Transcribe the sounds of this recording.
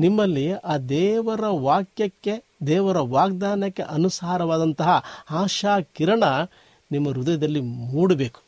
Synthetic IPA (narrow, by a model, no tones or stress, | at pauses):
nimːɐlːiaːd̪ɛːʋɐɾɐʋaːkjɐkːe̞ | d̪ɛːʋɐɾɐʋaːɡd̪aːnɐkːe̞̰ʔɐnusaːɾɐʋaːd̪ɐnt̪ɐɦɐaːʃaːkiɾɐɳɐ | nimːɐɾud̪ɐjɐd̪ɐlːimuːɽɐbeːku̥